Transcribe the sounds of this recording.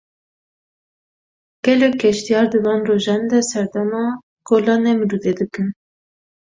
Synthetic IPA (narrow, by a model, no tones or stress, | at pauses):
ɡ̥ɛlɛkʰːɛʃt̪ijɑːɾd̪ɨvɑːnroʒɑːnd̪ɛsɛɾd̪ɛmɑː | ɡ̥oːlɑːnɛmɨɾud̪ed̪ɨkɨn